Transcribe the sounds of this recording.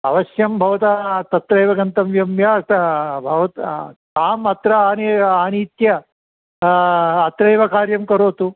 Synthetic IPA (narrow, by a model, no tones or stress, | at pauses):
ɐʋɐsjɐmbʱɐʋɐt̪at̪ɐt̪ɾɐjʋɐɡɐnt̪ɐmʋjɐmʋjaːbʱɐʋɐt̪t̪aːmɐt̪ɾɐaːneaːniːt̪jɐ | t̪ɾɐjʋɐkaːɾjɐmkɐɾoːt̪u